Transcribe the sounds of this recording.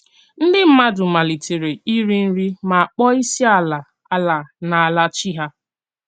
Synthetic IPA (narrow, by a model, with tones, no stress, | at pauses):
n̩˦dɪ˦m̩˦ma˦dʊ˨ma˨li˨te˨ɾe˨i˦ɾi˦n̩˦ɾi˦ma˨a˨k͡pɔ˦i˦si˦a˦la˨ | a˦la˨na˨a˨la˦t͡ʃi˦ɦa˦